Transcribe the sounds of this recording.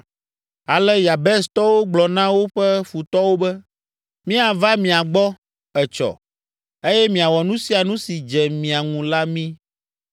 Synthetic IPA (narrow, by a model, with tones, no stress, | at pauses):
a˨lɛ˦ja˨bɛ˦st̪ɔ˦wo˦ɡ͡blɔ˨nã˦wo˦ɸɛ˦fu˨t̪ɔ˦wo˦bɛ˦ | mĩ˦a˨va˦mĩ˨a˨ɡ͡bɔ˦ | ɛ˨t͡ʃɔ̰˨ | e˦jɛ˦mĩ˨a˨wɔ˨nũ˦si˦a˨nũ˦si˨d͡ʒɛ˨mĩ˨a˨ŋũ˨la˦mĩ˦